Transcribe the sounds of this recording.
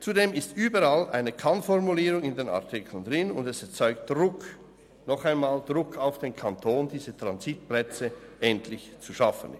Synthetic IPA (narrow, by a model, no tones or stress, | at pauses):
t͡sudeːmɪstʔyːbəɾalʔa̰ɪnəkʰanfɔʁmuliːʁʊŋɪndeːna̰ʁtʰɪkʰl̩ndʁɪnʊ̰ndɛsɛɐt͡sɔʏkt̚d̥ʁʊk | nɔχaɪnmaːld̥ʁʊkʰaʊfd̥eːnkʰantʰoːnd̥iːzətʁ̥anzit̚plɛt͡səʔɛntlɪçt͡suʃafən